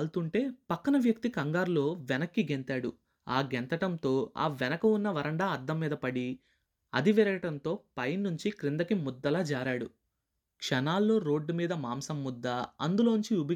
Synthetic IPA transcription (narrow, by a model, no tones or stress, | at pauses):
lt̪uɳʈe̞ːpɐkːɐnɐʋjɐk̚t̪ikɐŋɡaːɾlo̞ːʋɛnɐkːiɡent̪aːɽu | a̰ːɡent̪ɐʈɐnt̪o̞ːa̰ːʋɛnɐkɐunːɐʋɐɾɐɳɖaːɐd̪ːɐmːiːd̪ɐpɐɽi | ɐ̰d̪iʋɛɾɐɡɐʈɐnt̪o̞ːpɐjnːuɲt͡ʃikɾind̪ɐkimud̪ːɐlaːd͡ʒaːɾaːɽu | kʂɐnaːlːo̞ːɾo̞ːɖːumiːd̪ɐmaːmsɐmːud̪ːɐɐ̰nd̪ulo̞ːnuɲt͡ʃiubɐ